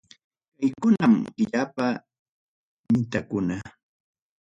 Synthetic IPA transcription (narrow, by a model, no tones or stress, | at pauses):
kajkʊnamɢɪʎapa | mɪt̪akʊna